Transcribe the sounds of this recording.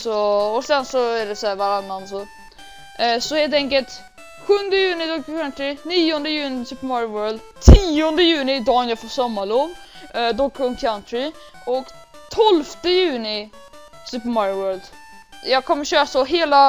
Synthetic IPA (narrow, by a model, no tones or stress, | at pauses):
sɔɔsɛnsɔæɖɛsɔæːvaɾanːansɔ | sɔheːlt̪ɛŋkəlt̪ | ɧɵnd̪əjʉːnɪd̪ɔkːkʰant̪ɾɪniːɔnd̪əjʉːnɪsʉpəmɔɾwœːld̪ | t̪ʰiːɔnd̪əjʉ̟ːnɪd̪ɑːnjɑfɔsɔmːalɔn | d̪ɔkʰːɔnkʰant̪ɾɪ | ɔk | t̪ʰɔlft̪əjʉ̟ːnɪ | sʉːpəmaɾwœːɭld̪ | jɑːɡkʰɔmːəɾɕøːɾasɔɦeːla